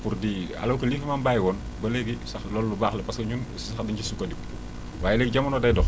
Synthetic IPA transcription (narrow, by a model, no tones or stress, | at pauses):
puɾdia̰lɐwkɐliːfɐmambaːjwɔːn | bɐlɛɡisɐxlɔːlːubaːxlɛpaskɐɲun | sɐxdɐɲt͡ʃisukːɐdik | waːjɛlɛɡ̚ɟɐmɐnɔdɐjdɔx